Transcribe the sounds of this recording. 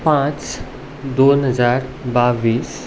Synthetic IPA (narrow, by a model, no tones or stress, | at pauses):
pãːt͡ɕ | d̪oːnɦəzaːɾbaːʋiːs